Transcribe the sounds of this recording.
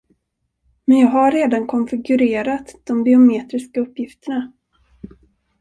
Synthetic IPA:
mɛnjɑːɡɦaɾeːd̪ankʰɔnfɪɡɵɾeːɾat̪d̪̥ɔmbɪʊmeːt̪ɾɪskaɵpːjɪft̪əɳa

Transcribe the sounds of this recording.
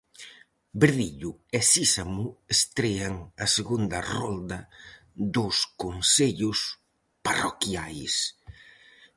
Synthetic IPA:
beɾðiʎʊesisamuest̪ɾeaŋaseɣund̪ɐrɔnd̪ɐ | ðʊskonseʎʊs | parokjajs

